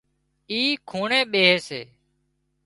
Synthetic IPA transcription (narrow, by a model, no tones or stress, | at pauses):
iːkʰuːɳẽːɓeːɦeːseː